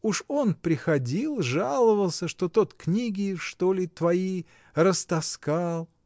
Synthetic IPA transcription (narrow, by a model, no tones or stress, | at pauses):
uʂo̞npɾʲɪxɐdʲilˠʐalˠəvəlˠsʲəʂt̪o̞t̪o̞t̪knʲiɡʲɪʂt̪o̞lʲɪt̪vɐi | rəst̪ɐskɑlˠ